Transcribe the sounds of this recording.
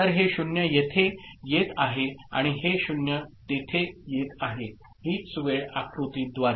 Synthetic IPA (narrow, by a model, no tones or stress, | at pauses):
əɾɦeɕunjəjet̪ʰejet̪aɦea̰ɽ̃iɦeɕunjət̪et̪ʰejet̪aɦe | ɦiːsuʋeɭakɾut̪iːd̪ʋaɾ